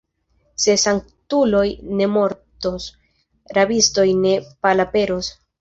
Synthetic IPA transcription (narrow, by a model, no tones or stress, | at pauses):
se̞saŋk̚ | tulo̞jne̞mo̞ɾtos | ɾabisto̞jne̞palape̞ɾos